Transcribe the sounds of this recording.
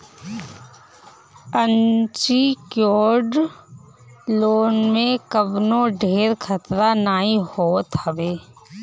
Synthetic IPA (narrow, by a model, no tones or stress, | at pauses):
ənt͡ʃikjoːɖ | loːnmẽkəbnõɖʱeːɾkʰət̪ɾanaːihoːt̪əbeː